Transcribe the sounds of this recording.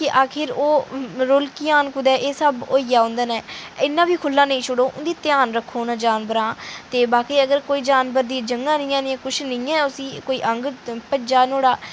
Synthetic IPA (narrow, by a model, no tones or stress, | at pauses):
kɪʔaːkʰɪɾoːɾolkɪjaːnkʊd̪ɛːʔeːsəboːijaːʊ̃nd̪əːnɛ̃ːɪnːãːbiːkʰʊlːãːnə̃ĩːt͡ʃʰʊɽoːʔʊnd̪iːt̪ɪjaːnɾəkʰːoːnãːd͡ʒaːnbəɾãːt̪eːbaːkiːəɡəɾkoːiːd͡ʒaːnbəɾd̪iːd͡ʒəŋɡãːnĩːɛ̃ːnĩːkʊʃʰnĩːɛ̃ːʊsĩːkoːiːʔəŋɡpəd͡ʒaːnoːɽaː